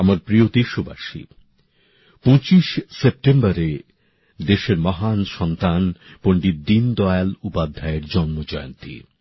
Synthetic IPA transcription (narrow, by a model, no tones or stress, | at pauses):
amaɾpɾijod̪iʃoba̰ʃḭ | põt͡ɕiʃsep̚ʈembaɾe | d̪eʃeɾmɔɦanʃɔnt̪anpoɳɖiɾd̪ind̪ɔealupad̪ʱːaeɾd͡ʑɔnmod͡ʑɔjo̰nt̪ḭ